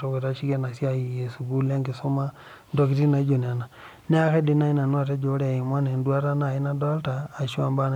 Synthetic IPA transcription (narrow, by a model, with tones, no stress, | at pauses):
to˨ke˨ɾa˦ʃi˦kɛ˦na˨sja˦i˨je˨su˨ɡu˦la˦ŋɡe˨so˦ma˦ | ndo˦k̬i˦ti˦na˨i˦d͡ʒo˨n˨a˨na˨ | nɛ˦a˦kɛ˦di˦na˦i˦na˨nwa˨tɛ˦d͡ʒo˨˦ɾa˨i˨mwa˦nɛ˨ndwa˦ɾa˦na˨i˦na˦dɔ˦ltaː˨ʃu˦a˨mba˦n